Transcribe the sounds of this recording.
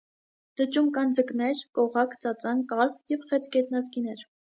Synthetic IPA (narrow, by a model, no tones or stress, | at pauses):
lət͡ʃumkɑnd͡zəknɛɾkɔʁɑkʰt͡sɑt͡sɑnkɑɾpjɛvχɛt͡skɛt̪̚nɑzkinɛɾ